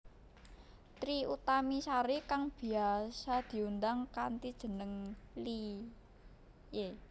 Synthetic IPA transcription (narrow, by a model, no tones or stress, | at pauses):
t̪ɾiut̪amisaɾikaŋb̥i̤asad̪̥i̤und̪aŋkant̪id̥ʒ̥ə̤nəŋli | je